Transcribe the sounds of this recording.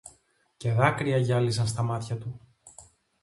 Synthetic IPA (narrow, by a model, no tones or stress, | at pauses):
ce̞ðɐkɾiɐʝɐlisɐnst̪ɐmɐt̪çɐt̪u